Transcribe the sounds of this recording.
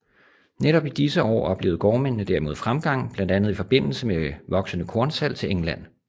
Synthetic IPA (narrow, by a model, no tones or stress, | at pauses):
neɾɒ̽b̥id̥isəʔɒ̰ːɒb̥le̝ːʊð̞̩ˠɡ̥ɒːmennəd̥æɐmo̝ð̞ˠfʁamɡ̥ɑ̈ŋ̰b̥lænd̥ænð̞̩ˠifɒ̽b̥e̝n̰l̩səmeʋɒ̽ɡ̥sənəkʰɔɐnsæl̰t͡sʰe̝leŋlæn̰